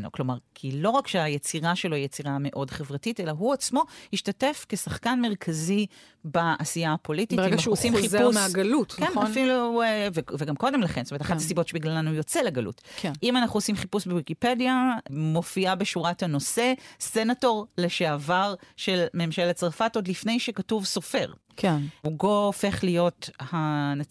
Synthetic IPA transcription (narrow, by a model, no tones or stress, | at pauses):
no̰klo̞maʁkʰilo̞ʁakʃeajet͡siʁaʃelo̞ijet͡siʁame̞ʔo̞dχe̞vʁatitelaɦuat͡smo̞hiʃtate̞fkesaχkanme̞ʁ̞kʰazi | baːsijapo̞lititeaeaanaʃuosimizumeaɡɐlutkenanfiluveveɡamko̞de̞mlaχenstometaχatasibo̞tʃebiɡlalanujo̞t͡seleɡalṵtkʰʔimanaχuosimχipusbewikipe̞djamo̞fiabeʃuʁathano̞se̞se̞nato̞ʁleʃeavaʁʃe̞lmeːmʃelet͡saʁfatod̪lifne̞jʃekatuvso̞fe̞ʁ | kʰuɡo̞ːfe̞χlijo̞thana